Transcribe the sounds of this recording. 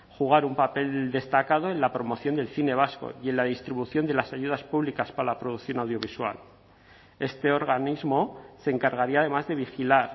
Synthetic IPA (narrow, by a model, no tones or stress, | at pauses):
xuɣ̞aɾumpape̞ld̪e̞st̪akað̞o̞e̞nlapɾo̞mo̞θjo̞nd̪e̞lθine̞β̞asko̰je̞nlaðist̪ɾiβuθjo̞nd̪e̞lasaʝuðaspuβlikaspaɾalapɾoð̞ukθjo̞nawð̞jo̞βiswa̰l | e̞st̪e̞o̞ɾɣanizmo̞se̞ːŋkaɾɣaɾiað̞e̞mazðe̞βixilaɾ